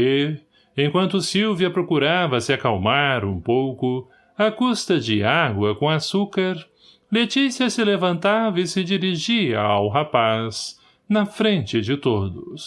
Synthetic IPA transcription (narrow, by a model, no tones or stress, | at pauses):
e | ẽkwɐ̃nt̪ʊsiwviɐpɾokuɾavɐsɪakawmaɾũpowkʊ | ɐkust̪ɐd͡ʒɪaɡwɐkõasukaɾ | let͡ʃisiɐsɪlevɐ̃nt̪avɐɪsɪd͡ʒiɾiʒiɐ̰awɦapaz̥ | nɐfɾẽnt͡ʃɪd͡ʒɪt̪od̪ʊs